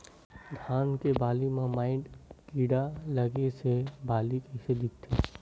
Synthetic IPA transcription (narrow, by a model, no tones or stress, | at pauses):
d̪ʱaːnkebaːlimãmaːɪ̃ɖkiːɽalɐɡesebaːlikɛɪsed̪ikt̪ʰːeː